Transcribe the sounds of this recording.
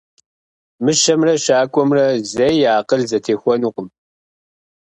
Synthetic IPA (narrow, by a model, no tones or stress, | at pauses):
mɨʃɐmrɐʃaːkʷʼɔmrɐzɐjaːqəɮzɐtʰeːxʷɔnuːqʷʊm